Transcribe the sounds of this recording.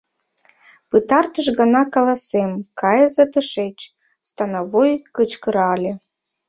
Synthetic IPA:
pɨt̪ɑrt̪əʃɣɑnɑkɑlˠɑsemkɑjəzɑt̪ə̆ʃet͡ɕ | st̪ɑnɑvojkət͡ɕkəɾɑlʲe

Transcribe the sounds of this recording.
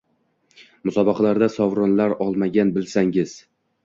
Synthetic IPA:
mʊsɒbɑqʰɑlaɾd̪asɒvɾɒnlaɾɒlˠmaɡʲanbɪlsaŋɪz̥

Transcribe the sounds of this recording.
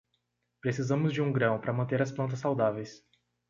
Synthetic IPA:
pɾesizɐ̃mʊzd͡ʒɪũɡɾɐ̃w̃pɾɐmɐ̃nt̪eɾɐsplɐ̃t̪ɐsːawd̪avejs

